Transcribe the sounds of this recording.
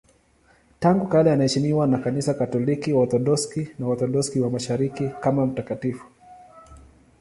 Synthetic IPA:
taŋɡukalɛanahɛʃimiwanakanisakatɔlikiwat̪ɔɗɔskinawat̪ɔɗɔskiwamaʃaɾikikamam̩takatifu̥

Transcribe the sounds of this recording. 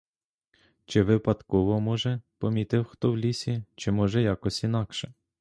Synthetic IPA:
t͡ʃɪʋɪpɐd̪kɔʋɔmɔʒɛpɔmʲit̪ɪwxt̪ɔwlʲisʲit͡ʃɪmɔʒɛjɑkɔsʲin̪ɑkʃɛ

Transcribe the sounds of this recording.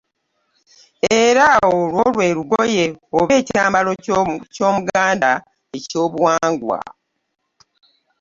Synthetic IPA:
e̞ɾaolwo̞lwe̞ːɾuɡoje̞oβe̞ːcaːmbaloco̞ːmuɡaːnda | eco̞ːβwaːŋɡwa̰

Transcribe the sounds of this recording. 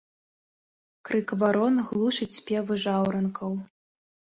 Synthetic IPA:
kɾɨkvaɾɔnɣlˠuʂɨt͡sʲpʲɛvɨʐawɾɐnkʰɐw

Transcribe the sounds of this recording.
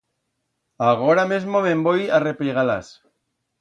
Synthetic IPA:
aɣoɾamezmomẽmbojarepliɣalas

